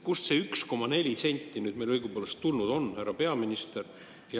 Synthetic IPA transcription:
kusseyksko̞mɑne̞lʲise̞nʲt̪ʲːˑinyːd̪̥mejlɤjɡ̥upolest̪t̪ːulnud̪o̞nːhæɾɑpe̞ɑminist̪e̞ɾ | jɑ

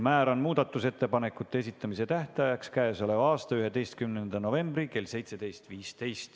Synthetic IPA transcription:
mæːɾonmuːd̪̥ɑt̪ːˑuse̞t̪ːe̞pɑnekːˑut̪ːˑees̬it̪ːˑɑmise̞t̪æht̪ɑjɑkskæeso̞le̞vɑːst̪ɑyɦe̞d̪e̞jst̪̚kymnend̪̥ɑno̞ve̞mbrike̞lse̞jt̪se̞d̪e̞jst̪viːst̪e̞jst̪

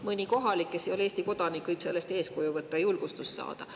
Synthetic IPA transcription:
mɨnʲiko̞ɦɑlikːesio̞leːst̪iko̞d̪̥ɑnikvɯjb̥se̞lːe̞st̪e̞ːskojuvɤt̪ːˑɑjulɡ̥ust̪ussɑ̰ːd̪̥ɑ

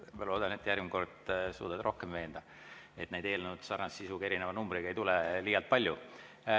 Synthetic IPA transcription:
mɑlo̞ːd̪̥ɑnet̪ːˑjærvmko̞rd̪̥sṵːd̪̥ɑd̪rʔo̞hkemve̞ːnd̪̥ɑ | et̪ːnejd̪e̞ːlnnud̪sɑrnɑsːisuɡ̥ɑe̞ɾinevɑnumbɾiɡɑejt̪ulɛliːjɑlt̪̚pɑlʲju

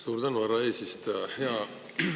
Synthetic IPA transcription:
suːɾd̪ɑnuɑɾɑeːsist̪hɑ̃

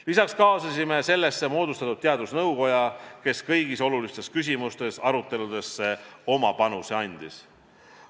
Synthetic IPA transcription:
lisɑkskɑːsɑsʲime̞se̞lːe̞sːe̞mo̞ːd̪ust̪ɑt̪ud̪̚t̪eɑd̪̥usnɤwko̞jɑke̞skɤjɡiso̞lulist̪e̞skys̬ʲimust̪e̞sɑɾut̪ːˑe̞lud̪̥e̞sːe̞o̞mɑpɑnuseɑnʲd̪̥is

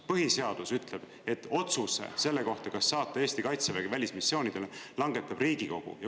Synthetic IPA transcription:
pɤɦise̞ɑd̪̥usyt̪le̞b̥ | e̞t̪ːo̞t̪susḛse̞lːe̞ko̞ht̪ɑkɑsːɑːt̪ːˑɑeːst̪ikɑjt̪seveɡ̥evælʲismisːjoːnid̪̥elelɑŋɡe̞t̪ːˑɑb̥riːɡ̥iko̞̰ɡ̥ṵjɑ

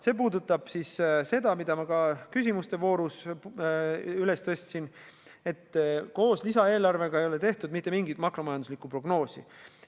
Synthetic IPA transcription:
se̞ːp̬uːd̪ut̪ːˑɑb̥sisse̞d̪̥ɑmid̪̥ɑmɑkɑkys̬ʲimust̪e̞vo̞ːɾus | yle̞st̪ø̞sʲt̪sin | e̞t̪ːˑko̞ːslisɑe̞ːlɑrve̞ɡɑe̞jo̞le̞t̪e̞ht̪ud̪̚mit̪ˑːe̞miŋɡit̪mɑkro̞mɑjɑnd̪uslikːˑupro̞ɡ̥no̞ːsḭ

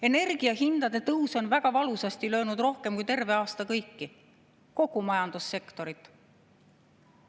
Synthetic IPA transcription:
e̞ne̞rɡ̥iɑɦind̪̥ɑd̪e̞t̪ɤwso̞nvæɡ̥ɑvɑlusɑst̪ilø̞ːnud̪̥ro̞hke̞mkujt̪e̞rve̞ɑːst̪ɑkɤjkːi | ko̞ɡumɑjɑnd̪̥usːe̞kt̪o̞ɾit̪ˑ

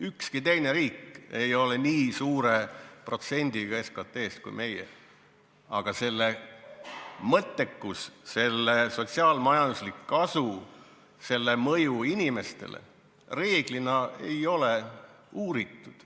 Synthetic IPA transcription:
ykskit̪e̞jneɾiːkːe̞jo̞le̞niːsuːɾe̞pro̞t̪se̞nʲd̪̥iɡ̥ɑeskɑt̪ːˑe̞ːskṵjmʔe̞jḛ | ɑɡ̥ɑse̞lːe | mɤt̪ːˑe̞kːusse̞lːeso̞t̪siɑːlmɑjɑnd̪uslikːɑsu | se̞lːe̞mɤ̞juinʲime̞st̪e̞̰lḛ | re̞ːɡ̥linɑe̞jo̞le | uːɾit̪ːˑud̪̥

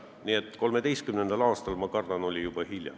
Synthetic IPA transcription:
niet̪ːˑko̞lme̞d̪e̞jst̪kymne̞nd̪̥ɑlɑːst̪ɑlmɑkɑrd̪̥ɑno̞lʲijub̥ɑhilʲjɑ̰

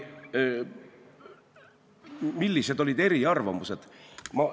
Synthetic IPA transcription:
milːise̞d̪̥o̞lʲid̪̥e̞ɾiɑrvɑmuse̞d̪̥mɑ

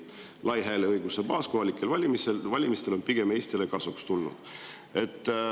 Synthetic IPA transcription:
lʔɑjɦæːleɤjɡ̥usepɑːskoɦɑlikːˑe̞lvɑlʲimisevɑlʲimist̪e̞lo̞npiɡ̥e̞me̞ːst̪ile̞kɑsukst̪ulnṵd̪̥ | e̞t̪ˑː

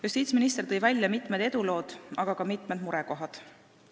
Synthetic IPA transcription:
just̪iːt̪sminist̪e̞rt̪ɤ̞jvælʲjɑmit̪ːˑmed̪e̞d̪̥ulo̞ːd̪̥ɑɡ̥ɑkɑmit̪ˑmed̪̥muɾɛko̞ɦɑd̪̥

